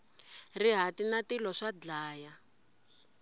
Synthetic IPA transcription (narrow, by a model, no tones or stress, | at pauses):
riɦatinatilɔʂad͡ɮaːja